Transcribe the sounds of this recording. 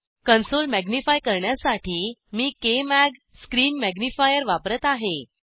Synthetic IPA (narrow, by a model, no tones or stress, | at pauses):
kənsolmæɡnifajkəɾɳjasaʈʰiːmiːkemæɡ | skɾiːnmæɡnifajəɾʋapɾət̪aɦe